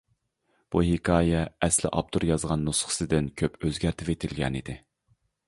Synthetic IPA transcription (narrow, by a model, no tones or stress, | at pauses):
b̥uɦikɑːjɛːslɪ̰ʔɑ̰b̚t̪ʰuɾjɑzʁɑnːusχə̥sɨd̪ɪnkʲʰøpøzɡʲæɾt̪ʰɪpet̪ʰɪlɡʲɛ̰nid̪ɪ